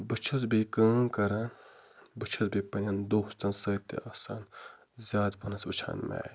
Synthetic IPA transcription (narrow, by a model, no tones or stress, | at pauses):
bɨt͡ʃʰɐzbikə̃ːkɐɾɐn | bɨt͡ʃʰɐzbiːpɐnʲɐnd̪oːst̪ɐnsət̪ḛaːsaːn | zʲaːd̪pɐnɐsut͡ʃʰa̰ːnmɛ̰ː